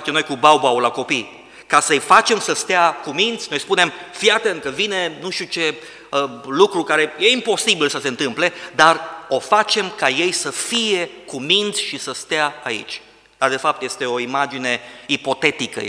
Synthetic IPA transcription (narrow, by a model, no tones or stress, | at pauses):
t͡ʃemnojkubawbawlako̞pij | kasəjfat͡ʃe̞msəst̪eakumind̪sʲno̞jspune̞mfjat̪eɨŋkəvine̞nuʃt̪ut͡ʃe̞ | əlukɾukaɾe̞je̞impo̞sibilsəse̞ɨnt̪ɨmple̞d̪aro̞fat͡ʃe̞mkaje̞jsəfije̞kumind̪sʲʃisəst̪eaːḭt͡ʃʲ | d̪̥ard̪e̞fap̚t̪je̞st̪e̞o̞imad͡ʒine̞ipo̞t̪e̞t̪ikə̰